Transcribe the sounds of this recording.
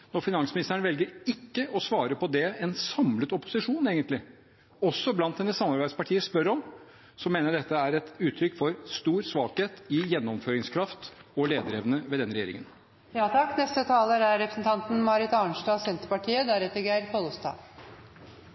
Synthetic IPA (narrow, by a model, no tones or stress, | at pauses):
nɔɾfɪnɑnsmɪnɪst̪əɳəʋɛlɡəɾɪkːəʔɔsʋɑːɾəpɔd̪ɛɛnsɑmlət̪ɔpʊ̥sɪʂuːneːɡənt̪lɪ | ɔsːɔblɑnt̪̚ɛnːəsɑmːɑɾbæɪd̪spɑʈʰiːəspœɾɔm | sɔmeːnəɖɛt̪ːəæɾɛt̪ʉːt̪ʰɾʏkːfɔɾst̪uːɾsʋɑːkheːt̪ɪjɛnːɔmføːɾɪŋskʰɾɑft̪ɔleːd̪əɾɛʋnəʋɛːd̪ɛnɾɛjeːɾɪ̰ŋən | jɑːt̪ʰɑkːnɛst̪ət̪ʰɑːləɾæɾɾɛpɾəsn̩t̪ʰɑnt̪n̩mɑɾɪt̪ɑɳʂʈɑːsɛnt̪əɾpɑʈʰiːəd̪æɾɛt̪ːəɾɡeɪɾpʰɔlɔst̪ɑ̰ː